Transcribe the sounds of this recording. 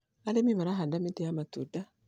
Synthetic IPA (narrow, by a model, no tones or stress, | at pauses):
alemimaɾaɦandamideamatuda